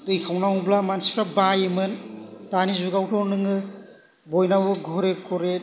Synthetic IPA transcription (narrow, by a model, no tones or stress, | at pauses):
tɯjkʰawnawblamansipʰɾabajemɯntanizuɡawtʰɔɾnɯŋɯ | bɔjnawɯɡʱɔɾekʰɔɾe